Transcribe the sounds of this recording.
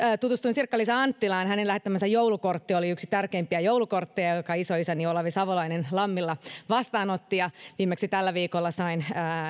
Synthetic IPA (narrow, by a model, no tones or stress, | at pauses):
t̪ut̪ust̪uinsirkːɑlisɑɑnt̪ːilɑːnhænelæhet̪ːæmænsæjjouwlukort̪ːioliyksi̥t̪ærkeimpiæjoulukort̪ːejɑjokɑisoisæniolɑʋisɑʋolɑinenlɑmːilːɑʋɑst̪ɑːnot̪ːijɑʋiːmːeksit̪ælːæʋiːkolːɑsɑinəː